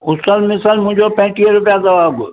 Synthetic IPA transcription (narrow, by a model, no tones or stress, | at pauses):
ʊsəlmɪsəlmʊ̃ɦɪ̃ɲd͡ʑopə̃ɦɪ̃ʈiɾʊpijazɐʋaːɡʊ